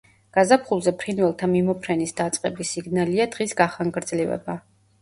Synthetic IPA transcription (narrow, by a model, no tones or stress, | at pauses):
ɡ̥azapʰχulˠzɛpʰɾinvɛlˠt̪ʰamimɔpʰɾɛnisd̪at̪sʼqʼɛbisiɡnaliad̪̥ʁisɡaχaŋɡɾd̪zlivɛ̰ba